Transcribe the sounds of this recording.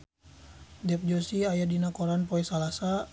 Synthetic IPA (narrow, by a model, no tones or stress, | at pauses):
dɛp̚d͡ʒosiajadinakoɾanpoɛsalasa